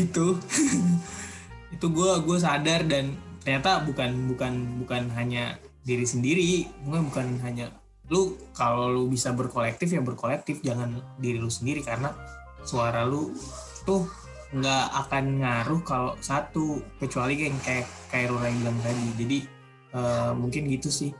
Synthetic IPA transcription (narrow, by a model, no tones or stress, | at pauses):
it̪u | it̪uɡuaɡuas̬adardant̪ərɲat̪abukanbukanbukanɦaɲa | diɾisəndiɾimuŋkanbukanɦaɲa | lukalolubisabərkolɛk̚t̪ɪfjaŋbərkolɛk̚t̪ɪfd͡ʒaŋandiɾilusəndiɾikarəna | suaɾalut̪ʊh | ŋɡaakanŋaɾʊhkalosat̪ukət͡ʃualikaaŋkajakajaɾuɾaiblaŋt̪adid͡ʒadi | əmuŋkɪnɡit̪usɪh